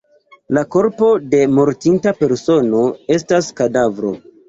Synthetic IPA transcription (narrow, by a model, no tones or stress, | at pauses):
lako̞ɾpo̞de̞mo̞ɾtintape̞ɾso̞no̞e̞staskadavɾo̞̰